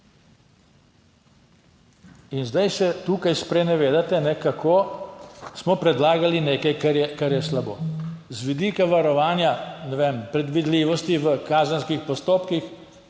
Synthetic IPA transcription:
inzd̪ajsɛt̪uːkajspɾɛnɛʋeːd̪at̪ɛnɛkakʰoː | smɔpɾɛd̪laːɡalineːkajkaɾjɛkaɾjɛslaboːzʋid̪iːkaʋaɾɔʋaːnjanɛʋeːmpɾɛd̪ʋid̪liːʋɔst̪iʋəkaːzənskixpɔst̪oːpkix

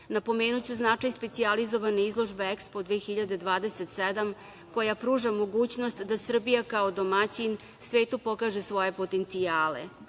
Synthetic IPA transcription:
napo̞me̞ːnut͡ɕuznat͡ʂajspe̞t̪sializo̞ʋaneizlˠo̞ʒbeekspo̞d̪ʋexiʎad̪e̞d̪ʋaːd̪e̞set̪sed̪am | ko̞japɾuːʒamo̞ɡuːt͡ɕno̞st̪d̪asr̩bijakaod̪o̞mat͡ɕin | sʋeːt̪upo̞kaːʒesʋo̞je̞po̞t̪e̞nt̪sijaːlḛ

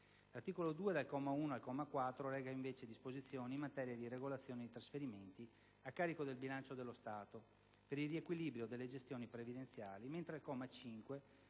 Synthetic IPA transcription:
lart̪iːkolod̪uːed̪alkɔmauːnoalkɔmakwat̪ːɾolɛːɡaiɱveːt͡ʃed̪ispozit̪sːjoːniːmːat̪ɛːɾjad̪ireɡolat̪sːjoːned̪it̪ɾasfeɾiment̪i | akːaːɾikod̪elbilant͡ʃod̪elːost̪aːt̪o | peɾilrːiekwiliːbɾjod̪elːed͡ʒest̪joːnipɾevid̪ent̪sjaːliment̪ɾealkɔmat͡ʃiŋkwe

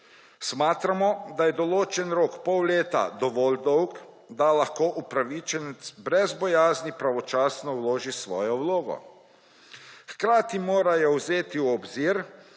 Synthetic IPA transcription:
smaːt̪ɾamɔd̪ajɛd̪ɔloːt͡ʃɛnɾoːkpɔwleːt̪a̰d̪ɔʋɔːld̪ɔwɡ | d̪alaxkoːʔupɾaʋiːt͡ʃɛnɛt̪sbɾɛzbɔjaːznipɾaʋɔt͡ʃaːsnɔwloːʒisʋɔ̰ːjɔwloːɡɔ̰ | xkɾaːt̪imoːɾajɔwzeːt̪iwɔbziːɾ

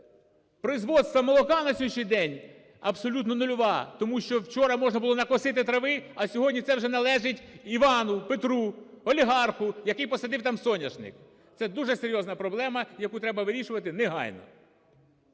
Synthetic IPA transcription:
pɾɔizʋɔdt̪st̪ʋɐmɔlˠɔkɑnɐsʲɔʃijd̪ɛnʲ | ɐbsɔlʲut̪nɔnʊlʲʊʋɑt̪ɔmuʃt͡ʃɔwt͡ʃɔɾɐmɔʒnɐbʊlˠɔnɐkɔsɪt̪ɪt̪ɾɐʋɪɐsʲɔɦɔdʲnʲit̪sɛwʒɛnɐlˠɛʒɪtʲiʋɑnʊpet̪ɾu | ɔlʲiɦɑrxʊjɐkɪjpɔsɐd̪ɪwt̪ɑmsɔnʲɐʃnɪ̰k | t̪sɛd̪uʐɛseɾʲjɔznɐpɾɔblˠɛmɐjɐkut̪ɾɛbɐʋɪɾʲiʃʊʋɐt̪ɪnɪɦɑ̰jnɔ̰

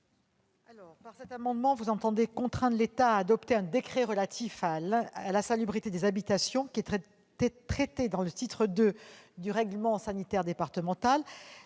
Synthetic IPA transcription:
alɔʁpaʁsɛt̪amɑ̃d̪mɑ̃vuzɑ̃t̪ɑ̃d̪ekɔ̃t̪χɛ̃d̪let̪aːd̪ɔpt̪eɛ̃d̪ekχeʁəlat̪ʰifalalasalybʁit̪ed̪ezabit̪asjɔ̃kʲiɛt̪ | t̪χɛt̪ed̪ɑ̃lət̪it̪χəd̪ød̪yʁɛɡləmɑ̃sanit̪ɛʁd̪epaʁt̪əmɑ̃t̪al

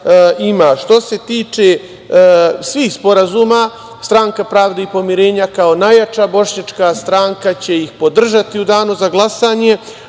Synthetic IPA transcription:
imaːʃt̪o̞se̞t̪iːt͡ʃe̞ | sʋiːxspo̞ɾazuːma | st̪ɾaːŋkapɾaːʋd̪eipo̞miɾe̞ːɲakao̞najat͡ʃabo̞ʃɲat͡ʃkast̪ɾaːŋkat͡ɕe̞jixpo̞d̪r̩ʒat̪iud̪aːnuzaɡlˠasaːɲe̞

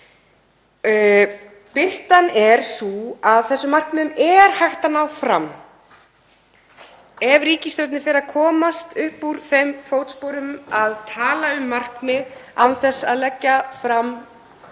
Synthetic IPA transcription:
pɪl̥t̪anɛɾ̥suaðθɛsːʏmar̥knɪðʏmɛɾ̥hajxt̪anawfɾa̰m | ɛvriːcist̪œwt̪nɪfɪɾakʰɔːmast̪ʏhpuɾ̥θejmfoːwt̪spowɾʏmaðt̪ʰaːlaʏmːar̥knɪðawθɛsːa̰ðlɛcːafɾam

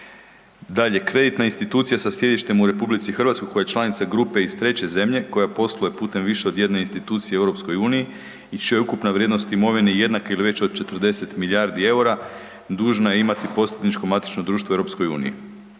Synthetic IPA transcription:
d̪aʎe̞kɾe̞d̪it̪nainst̪it̪uːt̪sijasasje̞d̪iʃt̪e̞muɾe̞publit̪sixr̩ʋat̪skojkojajet͡ʃlˠanit̪saɡɾupe̞ist̪ɾe̞t͡ɕe̞ze̞mʎe̞ko̞japo̞slˠojepuːt̪e̞mʋiʃeo̞d̪je̞d̪ne̞inst̪it̪uːt̪sijeewɾopsko̞juːniji | it͡ʃijeukupnaʋɾjed̪no̞st̪imo̞ʋineje̞d̪nakeiliʋe̞t͡ɕod̪̚t͡ʃe̞t̪r̩d̪e̞se̞t̪miljaɾd̪ie̞uɾa | d̪uːʒnaje̞imat̪ipo̞set̪nit͡ʃko̞mat̪i̥t͡ʃnod̪ɾuːʃt̪oewɾo̞psko̞jṵːnḭjḭ

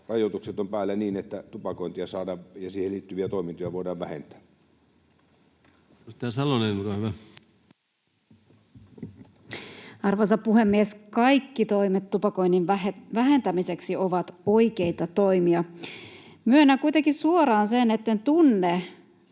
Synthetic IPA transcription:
rɑjot̪ukset̪ompæːlːæniːnet̪ːæt̪upɑkoint̪iɑsɑːdɑːʋjɑsiːheliːt̪ːyʋiæt̪oˑimint̪ojɑʋoˑidɑːʋʋæ̰hḛnt̪ˑæ̥ː | st̪æːsɑloneukɑhyʋæ | ɑrʋɑːsɑppuhemːieskɑikːit̪o̞imet̪t̪ːupɑkoinːinʋæɦe̞nt̪æmiseksioʋɑt̪oikeit̪ɑt̪oimiɑ | myønːækuit̪eŋkisuorɑːnsenet̪ːent̪unːe

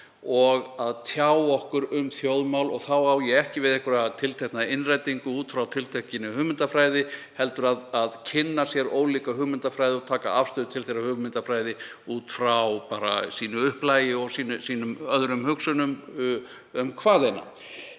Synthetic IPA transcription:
ɔɣaðt̪ʰjawɔhkʏɾʏmθjowðmawlɔɣθawawjɛɛhcɪvɪðɛhkʏɾaðt̪ʰɪlt̪ʰɛhknaðɪnrajt̪iŋkʏuːt̪fɾawt̪ʰɪlt̪ʰehcɪnɪhʏːɣmɪnt̪afɾaːjðɪhɛlt̪ʏɾaðaðcʰɪnːasjɛɾoːwliːkaɦʏːɣmɪnt̪afɾajðɪɔɣt̪ʰaːka̰afst̪ʏðʏt̪ʰɪlθeɾahʏʏmɪnt̪afɾaːjðɪuːt̪fɾawpaːɾa̰siːnʏʏhplaːjɪɔɣsiːnʏsiːnʏmœðɾʏmhʏksʏnʏm | ʏmkʰvaːðejna̰

